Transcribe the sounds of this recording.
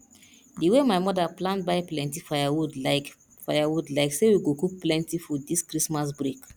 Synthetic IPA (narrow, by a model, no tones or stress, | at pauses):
diwemaɪmɔdaplãntbaɪplɛ̃ntifajawudlaɪk | fajawudlaɪksewiɡokuk̚plɛ̃ntifɔdiskɾismas̬bɾek